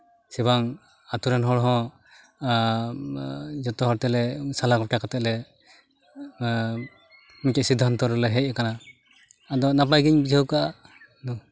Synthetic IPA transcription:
sɛβaŋ | at̪uɾɛnɦɔɽɦɔ̃ | d͡ʒɔt̪ɔɦɔɾt̪ɛlɛsalakɔpkakat̪ɛʔ̚lɛ | mikɛsid̪ʱːɔnt̪ɔɾɔlɛɦɛc̚akanaː | d̪ɔnap̬ajɡiɲbid͡ʒʱawkaʔa | nu

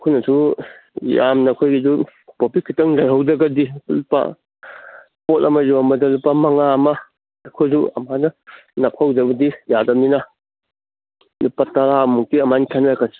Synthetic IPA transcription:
kʰunɐsu | ja̰mnɐːkʰojɡizupopikʰːitɐŋlajɦawd͡ʒɐɡɐdilupːa̰ | potɐmɐzuɐmɐdɐlupːɐmɐŋaɐmɐː | kʰojzuɐ̰manɐnɐp̚ʰawd͡ʒɐbɐdijadɐmnina | lupːataɾamuk̚tiɐmanikʰanakʰas

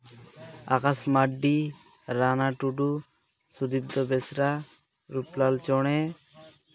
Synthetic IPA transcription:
a̰kasmaɖːi | ɾanaʈuɖu | sud̪ib̚d̪ɔbesɾa | ɾuplalt͡ʃɔɽ̃e

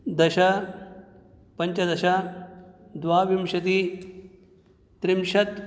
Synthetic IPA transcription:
d̪ɐʃɐ | pɐɲt͡ʃɐd̪ɐʃɐ | d̪ʋaːʋimʃɐt̪i | t̪ɾimʃɐt̪

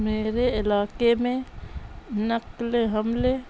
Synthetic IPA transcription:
meːɾeɪlaːkemẽ | nəkleɦəmle

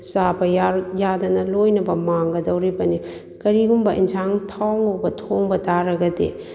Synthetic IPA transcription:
sabɐjjadɐnɐlojnɐbɐmaŋɡɐdɐwɾibɐni | kɐɾiɡumbɐʔinzʰaŋtʰawŋobɐtʰoŋbɐtaɾɐɡɐdḭ

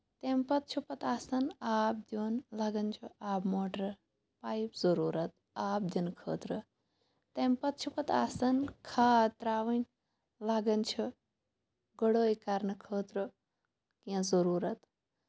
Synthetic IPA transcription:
t̪empɐt̪̚t͡ʃʰupɐt̪aːsɐnaːp̚d̪jonlaːɡɐnt͡ʃʰuaːbmoːʈɾ | paːjpzəɾuːɾɐt̪̚ | aːp̚d̪ʲinkʰəːt̪ɾə | t̪empɐt̪̚t͡ʃʰupɐt̪aːsɐnkʰaːt̪ɾaːʋɐnʲ | laːɡɐnt͡ʃʰu | ɡəɽoːjkaɾnɐkʰəːt̪ɾə | kĩzəɾuːɾɐt̪

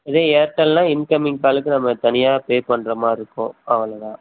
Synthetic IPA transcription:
ɪðeːeːɾʈːɐlnãːɪnkɐmɪŋkaːlɯkːɯnɐmːɐt̪ɐnɪjaːpeːpɐɳːɾɐmaːɪɾɯkːõ̰ːɐʋɐlɐðãː

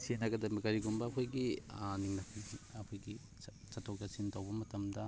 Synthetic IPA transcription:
sienɐɡɐdɐmikɐɾiɡumbɐːkʰojɡiniŋnɐkʰiɐkʰojɡi | sɐtʰːowtɐsintʰɐwbɐmɐtɐmdɐ

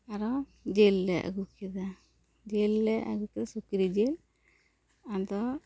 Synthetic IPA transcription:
aɾɔd͡ʒelːɛa̰ɡukid̪a | d͡ʒelːɛʔa̰ɡukid̪asukiɾid͡ʒel | and̪ɔ

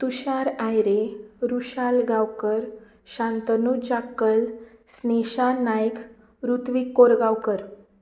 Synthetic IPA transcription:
t̪uɕaɾajɾeɾuɕalɡawkəɾ | ɕãnt̪ənud͡ʑakːəlsneɕanajk | ɾut̪ʋikːoɾɡawkəɾ

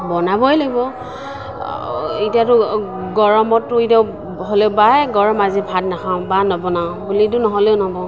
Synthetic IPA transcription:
bɔnabɔjlaɡibɔ | itijatʊ | ɡɔɹɔmɔtːʊitaʊ | ɦɔlɛʊbajɡɔɹɔmazibʱat̚nakʰaʊ̃banɔbɔnaʊ̃bulit̬ʊnɔɦɔleʊnabɔ

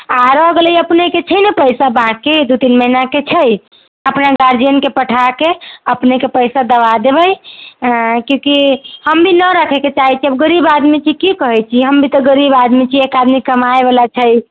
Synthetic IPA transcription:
aɾəɡeləjəpneket͡ʃʰəjnəpəjsabãkːed̪ut̪inməɦinaket͡ʃʰəj | əpnaɡaɾd͡ʒijənkepəʈʰakeəpnekepəjsad̪əbad̪ebəj | kjõkihəmbʱinəɾəkʰɛket͡ʃaɦɛt͡ʃʰiəbɡəɾibad̪mit͡ʃʰikikəɦɛt͡ʃʰiɦəmbʱit̪ɔɡəɾibad̪mit͡ʃʰiekad̪mikəmaebelat͡ʃʰəj

